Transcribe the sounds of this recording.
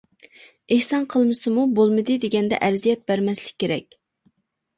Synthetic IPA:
ehsɑnqʰəlˠmɨsɨmubolˠmɨd̪ɨd̪eɡʲɛnd̪ɛ̰ʔæɾzijɛt̪̚bæɾmɛslɪk̚ʲʰːeɾɛkʲ

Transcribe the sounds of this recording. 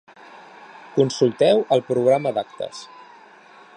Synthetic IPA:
kunsulˠt̪ɛwəlˠpɾuɣ̞ɾaməd̪ak̚t̪ə̰s

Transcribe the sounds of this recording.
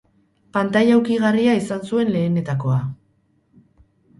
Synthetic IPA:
pant̪ajawkiɣariaisansue̞nle̞ːne̞t̪ako̞a

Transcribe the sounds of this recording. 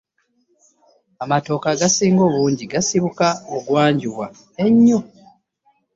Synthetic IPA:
amato̞ːkaɡasiːŋɡo̞ːβuːɲɟiɡasiβukaoɡwaːɲɟuβwa | eɲːo

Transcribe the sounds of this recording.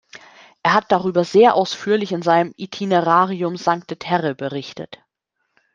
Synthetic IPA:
ʔeːɐɦat̚d̥aʁyːbɐzeːɐʔaʊsfyːɐlɪçɪnzaɪnəmʔitʰineʁaːʁiʊmzaŋk̚tetʰɛʁəbəʁɪçtə̰t

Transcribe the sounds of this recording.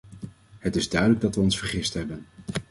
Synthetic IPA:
ɦətɪzdœɥdələɡ̚dɑtʋəɔnsfəɹχɪstɦɛbən

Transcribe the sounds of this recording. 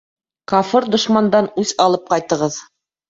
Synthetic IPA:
kɑfɤɾd̪ŏʃmɑnd̪ɑnʉzɑlˠɤp̚qɑjt̪ɤ̆ʁɤð

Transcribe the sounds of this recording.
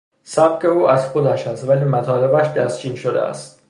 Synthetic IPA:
sæb̥̚ke̞uːʔæzxo̞d̪æʃæst̪væliːmæt̪ʰɒːle̞bæʃd̪æst͡ʃʰiːnʃod̪ḛæ̰st̪

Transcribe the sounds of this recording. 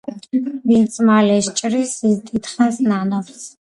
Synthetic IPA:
bint͡sʰʼmaːlɛʃt͡ʃʼrisizt̪ʼit̪ʰχansnanɔps

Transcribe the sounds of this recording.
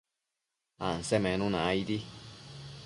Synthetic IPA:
a̰n̩sɛmɛ̃nũnaaid̪i

